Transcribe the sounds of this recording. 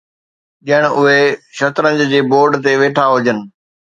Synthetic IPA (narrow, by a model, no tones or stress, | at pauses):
ɗiəɽ̃ʊɦeʃɐt̪ɾə̃d͡ʑd͡ʑeːboːɾɖt̪eʋeːʈʰaɦʊd͡ʑənɪ̆